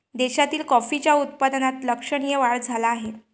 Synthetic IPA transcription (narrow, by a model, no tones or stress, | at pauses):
d̪eɕat̪iːlkɔfit͡ɕjaut̪̚pad̪nat̪ləkʂəɳ̃ijəʋaɭd͡zʱalaːɦe